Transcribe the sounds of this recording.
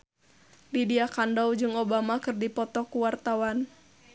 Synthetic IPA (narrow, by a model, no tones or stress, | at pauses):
didiakandawd͡ʒɨŋobamakɨrdipɔt̪ɔkuwart̪awan